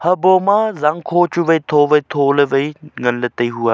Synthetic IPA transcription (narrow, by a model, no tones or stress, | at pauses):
hɐboːmãːzaŋkʰoːt͡ʃuʋɐit̪ʰoːʋɐit̪ʰoːleʋɐiŋɐnlət̪ɐiɦuaː